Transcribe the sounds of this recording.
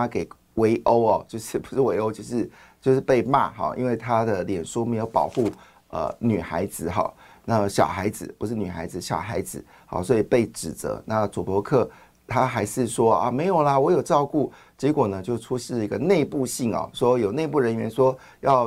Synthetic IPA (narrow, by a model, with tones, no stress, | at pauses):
a˥ke˨˩ɪ | we˧˥ɪʔo˥ʊɐ˨t͡ɕjo˥˧ʊʂɻ̩˥˩pu˧˩ʂɻ̩˥˩we˧˥ɪo˥ʊt͡ɕjo˥˧ʊʂɻ̩˥˩ | t͡ɕjo˥˧ʊʂ̬ɻ̩˥˩pe˥˧ɪma̰˥˩xɑ̰˨˩ʔḭ˥nwe˥˩ɪt̪ʰa˥d̪ə˨ljɛ˨˩nʂu˥me˧˥ɪjo˧˥ʊpɑ̰˨˩ʊxu˥˩ | ə̰˧ny˨˩xa˧˥ɪd͡zɹ̩˧˦xɑ̰˨˩˦na˥˩ɕjɑ˨˩ʊxa˧˥ɪd͡zɹ̩˨˩pu˧˥ʂɻ̩˥˩ny˨˩xa˧˥ɪd͡zɹ̩˧˩ɕjɑ̰˨˩ʊxa˧˥ɪd͡zɹ̩˨˦ | hɑ̰˨˧swɔ˧˥i˨˩pe˥˩ɪʈ͡ʂɻ̩˨˩t͡sɤ̰˧˥na˥˩t͡su˨˩pɔ˧˥kʰɤ˥˩ | t̪ʰa˥xa˧˥ɪʂɻ̩˥˩ʂwɔ˥ɐ̰˧˩me˧˥ɪjo˨˩ʊlə˦wɔ˧˥jo˨˩ʊʈ͡ʂɑ˥˧ʊku˥˩ | t͡ɕjɛ˧˥kwɔ˨˩nə˦t͡ɕjo˥˩ʊʈ͡ʂʰu˥ʂɻ̩˥˩i˧˥ɡə˧ne˥˧ɪpu˥˧ɕi˥˩ŋɑ̰˨˩ʂwɔ˥jo˨˩ʊne˥˧ɪp̬u˥˩ɻə˧˥nɥɛ˧˥nʂwɔ˥ | jɑ˥˩ʊ